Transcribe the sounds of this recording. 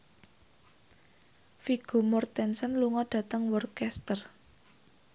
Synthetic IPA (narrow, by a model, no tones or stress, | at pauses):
fiɡ̥o̤mɔrt̪ɛnsənluŋɔɖ̥ä̤t̪əŋwɔrkɛst̪ər